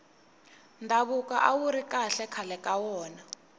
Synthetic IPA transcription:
ndʱaɓuk̬ʼa̰ʔawuɾikʼaɬɛkʰalɛkʼawɔːna

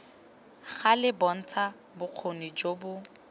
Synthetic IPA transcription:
ɣalɪbɔn̩t͡sʰa | bʊq͡χʰonid͡ʒobʊ

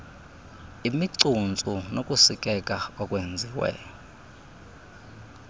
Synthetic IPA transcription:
imiǀunt͡sʼunokʼusikʼɛkʼaɔkʼwend͡zʱiwɛ̰jɔ

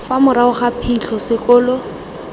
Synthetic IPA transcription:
famʊɾaʊχapʰiɬɔsɪkɔːlɔ

